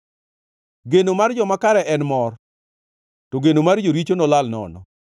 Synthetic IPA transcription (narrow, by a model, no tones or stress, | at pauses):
ɡenomard͡ʒɔmakaɾɛʔɛnmɔr | toɡenomard͡ʒoɾit͡ʃonɔlalnɔ̰nɔ